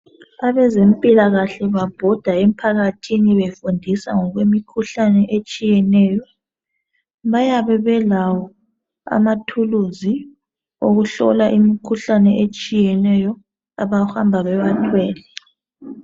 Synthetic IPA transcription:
aβɛzempʼilaɣaɬɛβab̥ʱɔd̥ʱaem̩pʰaɣatʰiniβefundʱisa̰ŋɔɣwemikʰuɬanɛʔet͡ʃʼijɛnɛːjɔ | βajaβɛβɛlawɔ | a̰matʰuluzi | oɣuɬɔ̰laʔimikʰuɬanɛʔet͡ʃʼijɛnɛjɔ | a̰βahambʱaβɛβatʰwɛːlɛ

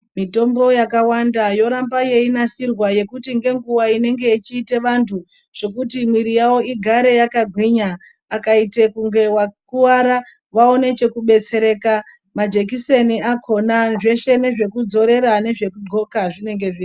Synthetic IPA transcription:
mito̞mbo̞jakawandajo̞ɾambaje̞inasirwaje̞kutiŋɡe̞ŋɡuwaine̞ŋɡe̞it͡ʃiːte̞ʋantʰu | ʐ̥e̞kutimwiɾijawo̞iɡʱaɾe̞jakaɡʱwiɲaː | kaite̞kuŋɡe̞wakuwaɾa | ʋao̞ne̞t͡ʃe̞kuɓe̞t͡se̞ɾe̞ːka | mad͡ʒe̞k̬iseniakʰo̞naʐe̞ʃe̞ne̞ʐe̞kud͡zo̞ɾe̞ɾane̞ʐe̞kudʱo̞kaʐine̞ŋɡe̞ʐin

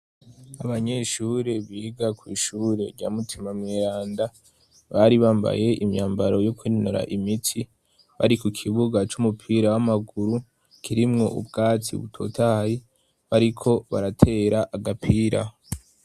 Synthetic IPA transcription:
aβaɲe̞ʃuːɾe̞βiɡakwiːʃuːɾe̞̰ɾɟa̰ːmutʰimamŋiːɾaːnda | βaːɾiβaːmba̰je̞ʔimɲaːmbaɾo̞jokwiinoɾa̰ʔimitʰi | βa̰ɾikukʰiβuɡat͡ʃumupʰiːɾawamaɡuɾu | kʰiɾimŋo̞̰ʔṵbɡaːt͡sḭβṵtʰo̞̰tʰaji | βaɾikʰo̞βa̰ɾatʰe̞ɾaʔːɡapʰiːɾa̰

